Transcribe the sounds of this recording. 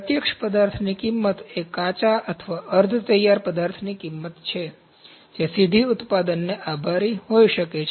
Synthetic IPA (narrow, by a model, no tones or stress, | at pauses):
pət̪jəkʃpəd̪aɾt̪ʰnikimːət̪ekːat͡ʃaʔət̪ʰʋaʔəɾd̪ʱt̪əjaɾpəd̪aɾt̪ʰnikimːət̪t͡ʃʰe | d͡ʒesid̪ʱiʊt̪pad̪ənːeʔabʱaɾiɦoiʃəket͡ʃʰ